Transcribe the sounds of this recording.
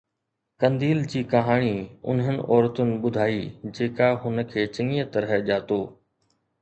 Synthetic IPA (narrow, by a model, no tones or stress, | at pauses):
kɐ̃nd̪iːld͡ʑiːkɐɦaːɽ̃iʊ̰nɦənɪ̰̆ʔɔːɾət̪ʊnɪ̆ɓʊd̪ʱaːiːd͡ʑeːkaɦʊnə̆kʰeːt͡ɕɪ̃ŋiət̪ɐɾɦəʄaːt̪oː